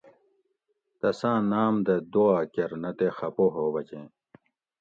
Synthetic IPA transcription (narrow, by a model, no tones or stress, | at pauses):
t̪ɐsãːnaːmd̪ɐd̪oaːkɐɾnɐt̪exɐpoɦoːbɐt͡ɕẽː